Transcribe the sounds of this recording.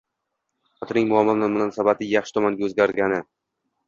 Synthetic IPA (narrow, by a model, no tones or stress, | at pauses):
χɒt̪ʰɾnɪŋmʊɒmːamnʊmʊnɒnsabat̪ʰɪjaχʃɪ̥t̪ʰɒmanɡʲazɡʲaɾɡʲanɪ